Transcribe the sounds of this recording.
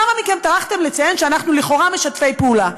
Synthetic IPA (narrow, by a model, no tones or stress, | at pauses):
amamikemt̪aʁaχt̪emle̞t͡saje̞nʃeanaχnuliχo̞ʁame̞ʃat̪fe̞jpeula